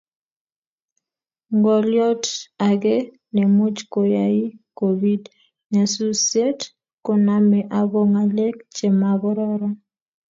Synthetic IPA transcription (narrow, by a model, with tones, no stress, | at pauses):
ŋɡɔ˨ljɔ˦ta˨ɡe˦ | nɛ˨mo˦d͡ʒko˨ja˨i˦ko˨bi˦d | ɲa˨su˦sje˦t | ko˦na˦mɛ˨ʔa˨bo˦ŋa˨le˦kt͡ʃe˨ma˨βɔ˦ɾɔ˦ɾɔ˦